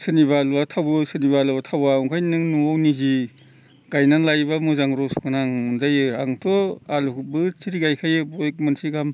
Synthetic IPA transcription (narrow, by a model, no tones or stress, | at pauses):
sɯniβalbatʰawɯsɯnibalbatʰawawŋkʰajnɯŋnuawnizi | ɡ̥ajnanlajbamuzaŋɾɔskʰɯnaŋunzajɯa̰ŋtʰɔalukbɯt͡ʃiɾiɡajkʰajɯbɔek̚mɯnsiɡam